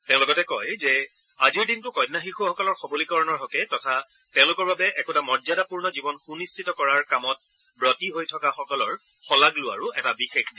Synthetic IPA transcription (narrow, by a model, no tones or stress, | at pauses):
tɛ̃ʊ̃lʊɡɔtɛkɔjzɛ | aziɹdintʊkɔjdnaxixʊxɔkɔlɔɹxɔbolikɔɹɔnɔɹɦɔkɛtɔtʰa | tɛ̃ʊ̃lʊkɔɹbabɛʔɛkutamɔdzadapuɹnɔzibɔnxunistʰitɔkɔɹaɹkamɔt̚ | bɹɔtiɦojtʰɔkaxɔkɔlɔɹ | xɔlaɡlʊa̰ɹʊɛtabixekʰdi